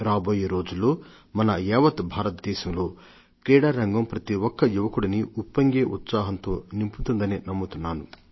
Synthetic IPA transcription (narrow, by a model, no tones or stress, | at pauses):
ɾaːbo̞ːjeːɾo̞ːd͡ʒulːo̞ː | mɐnɐɛːʋɐt̪bʱaːɾɐt̪̚d̪ɛːʃɐmlo̞ː | kɾɛːɽaːɾɐŋɡɐmpɾɐt̪iwɔkːɐjuʋɐkuɽɐniupːɐŋɡeːʔut̪saːɦɐnt̪o̞ːnimput̪und̪ɐninɐmːut̪unːaːnu